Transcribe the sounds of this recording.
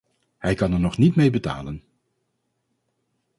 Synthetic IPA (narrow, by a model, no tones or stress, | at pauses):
hɛjkɑnɛɹnɔχnitmejbəta̰ːlən